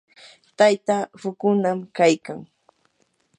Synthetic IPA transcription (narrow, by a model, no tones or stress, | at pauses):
t̪ajt̪afʊkʊnamkajkaŋ